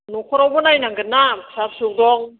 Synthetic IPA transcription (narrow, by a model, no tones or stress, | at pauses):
nukʰɔɾawbɯnajnaŋɡɯnasap̚suk̚dɔŋ